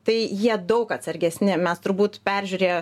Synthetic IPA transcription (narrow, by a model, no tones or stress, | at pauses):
t̪ɐɪjiɛd̪ɐʊkɐt̪sɐɾʲɡʲɛsʲnʲɪmʲɛst̪ʊɾbuːt̪pʲæɾʲʒʲuːɾʲeːjo